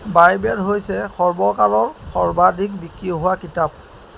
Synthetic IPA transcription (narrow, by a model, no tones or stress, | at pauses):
bajbɛɹɦojsɛxɔɹbɔkalɔɹxɔɹbadʱik̚bikɹiɦʊwakitap̚